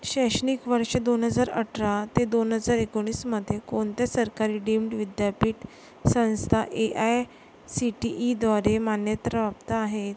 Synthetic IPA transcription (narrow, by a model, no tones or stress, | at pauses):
ɕɛɕnikʋəɾʂəd̪onɦəd͡zaɾə̰ʈʰɾat̪ed̪onɦəd͡zaɾekoɽ̃iːsməd̪ʱːjekoɳt̪jasəɾkaɾiːɖimɖʋid̪japiːʈ | sə̃w̃st̪ʰaʔeʔaj | siʈiʔːd̪ʋaɾemanjət̪ɾəbap̚t̪aːɦet̪